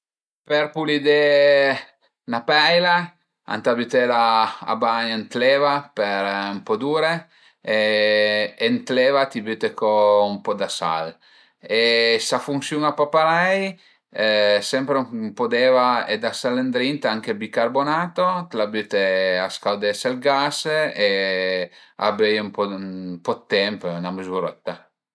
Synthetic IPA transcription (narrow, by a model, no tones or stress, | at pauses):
peɾpulid̪e | napɛjla | a̰nt̪abyt̪elaa̰baɲent̪levapeɾumpɔd̪uɾe | eː | nt̪levat̪ibyt̪ekoumpɔd̪asa̰l | esafuŋsjuŋapapaɾɛj | sɛmpɾeumpod̪ɛːvaed̪asalend̪ɾint̪aŋkebikarbonaːt̪ot̪labyt̪easkawd̪ɛselɡase | a̰bejumpɔmpɔt̪ːɛmpnaməzuɾɛt̪ːa